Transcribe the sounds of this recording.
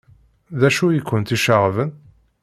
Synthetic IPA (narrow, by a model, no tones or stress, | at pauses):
ðæʃujikʷːənt̪iʃəʁvən